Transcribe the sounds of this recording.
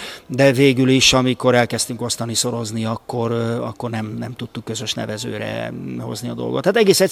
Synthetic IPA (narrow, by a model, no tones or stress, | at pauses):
d̪ɛveːɡyliʃɒmiko̞ɾɛlkɛst̪yŋko̞st̪ɒniso̞ɾo̞zniɒkːo̞rɒ̰kːo̞rnɛmnɛmt̪ut̪ːukːø̞zø̞ʃnɛ̰vɛzø̰ːɾɛ̰ho̞̰zniɒd̪o̞lɡo̞t̪hat̪ɛɡeːsɛ